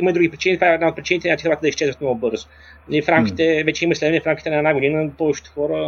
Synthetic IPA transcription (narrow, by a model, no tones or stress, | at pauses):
iməid̪ɾuɡipɾit͡ʃinid̪vaɛd̪naot̪̚pɾit͡ʃinit̪ɛnʲat̪ixoɾat̪əd̪iʃt͡ʃɛzvət̪nɔɡʊbɤɾzo | lifɾamkʲi̥t̪ɛvɛt͡ʃɛiməslɛd̪vɛnɛfɾamkʲit̪ɛnɐɛd̪naɡʊd̪inəpɔvɛt͡ʃɪ̥t̪ɛ̥xɔɾə